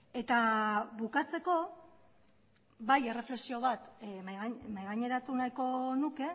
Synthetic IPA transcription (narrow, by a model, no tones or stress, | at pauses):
e̞t̪aβukat͡se̞ko̞ | βaje̞re̞fle̞ksio̞βat̪maɣamajɣaɲe̞ɾat̪unajko̞nuke̞